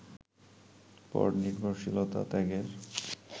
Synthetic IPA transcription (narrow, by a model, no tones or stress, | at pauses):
pɔ̰ɾniɾbʱoɾʃilot̪a̰t̪ɛɡeɾ